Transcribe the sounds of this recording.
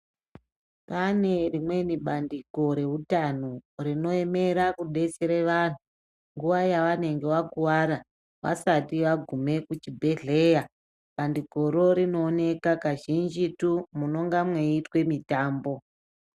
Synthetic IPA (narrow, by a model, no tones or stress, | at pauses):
pane̞rimwe̞niɓandiɡʱo̞ɾe̞utanurino̞e̞me̞ɾakuɗe̞seɾeʋan̤u | ŋɡuʋajaʋane̞ŋɡe̞wakuwaɾa | ʋa̰satiʋaɡʱume̞kut͡ʃibʱe̞ɮe̞ːja | ɓandiɡʱo̞ɾo̞ɾino̞ːne̞kakaʒind͡ʒitumuno̞ŋɡamweitwe̞mitaːmbo̞